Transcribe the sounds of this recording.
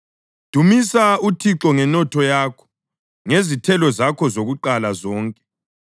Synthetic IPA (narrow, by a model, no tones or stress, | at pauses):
d̥ʱumisautʰiǁɔŋɛnɔtʰɔjaːkʰɔ̥ | ŋezitʰɛlɔzakʰɔzoɣuǃalazɔːŋkʼɛ̥